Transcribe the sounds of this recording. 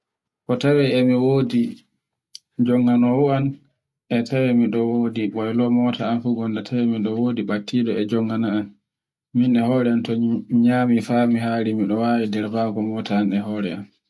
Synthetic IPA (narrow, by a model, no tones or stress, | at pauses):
kɔtawɛɛmiwodi | d͡ʒɔŋːɡanɔwɔan | ʔɛtʰawɛmiɗɔwoːdiɓɔjlɔmɔːtʰaːnfuɡɔndatʰawɛmiɗɔwoːdiɓatʰːiɗɔɛd͡ʒɔŋɡanaan | minɛhɔːɾɛantɔmiɲamifamiɦaɾimiɗɔwawidɛɾbaɡɔmɔːtaːnɛɦɔɾɛ̰a̰n